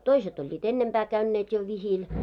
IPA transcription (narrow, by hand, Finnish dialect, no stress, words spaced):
toiset olʲːiːt enːempæː kæynːeːt jo ʋihil